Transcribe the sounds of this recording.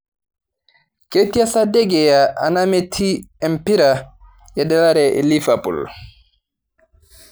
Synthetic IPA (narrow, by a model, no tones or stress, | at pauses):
ketiasadɛɡɛjaʔanametʰiɛmpiɾa | jɛɗɛlaɾɛʔḛlifapṵl